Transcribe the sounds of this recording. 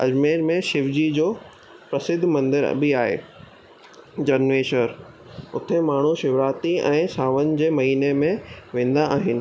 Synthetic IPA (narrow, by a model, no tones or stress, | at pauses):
ɐ̰d͡ʑmeːɾmẽʃɪʋd͡ʑid͡ʑoː | pɾɐsɪd̪ʱmɐ̃nd̪ɪɾɐ̰bʱiaːɦḛː | d͡ʑɐnʋeːʃəɾ | ʊt̪ʰemaːɳ̤uʃɪʋɾaːt̪iɛ̰̃ːsaːʋənɪ̆d͡ʑeːmɐɦiːnemẽʋẽːnd̪aaːɦɪnɪ̆